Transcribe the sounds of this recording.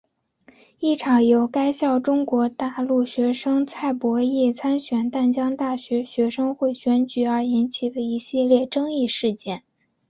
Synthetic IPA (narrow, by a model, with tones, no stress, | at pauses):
i˥˩ʈ͡ʂʰɑ˨˧˥ŋjo˧˥ʊka˥ɪɕjɑ˥˩ʊʈ͡ʂʊ˥ŋkwɔ˧˥t̪a˥˧lu˥˩ɕɥɛ˧˥ʂɤ˥ŋt͡sʰa˥˩ɪpwɔ˧˥i˥˩t͡sʰa˥nɕɥɛ˨˩nt̪a˥˩nt͡ɕjɑ˥ŋt̪a˥˩ɕɥɛ˧˥ɕɥɛ˧˥ʂɤ˥ŋxwe˥˩ɪɕɥɛ˧˥nt͡ɕy˧˥ə˞˧˥i˧˥nt͡ɕʰi˨˩d̪ə˦i˥˩ɕi˥˧ljɛ˥˩ʈ͡ʂɤ˥ŋi˥˧ʂɻ̩˥˧t͡ɕjɛ˥˩n